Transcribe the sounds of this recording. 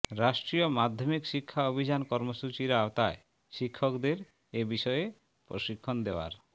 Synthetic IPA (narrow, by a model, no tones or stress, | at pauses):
ɾaʃʈɾiomad̪ʱːomikʃikʰːaobʱid͡ʑankɔɾmoʃut͡ɕiɾaot̪ae | ʃikʰːɔkd̪eɾ | ebiʃɔje | pɾo̰ʃikʰːond̪eoa̰ɾ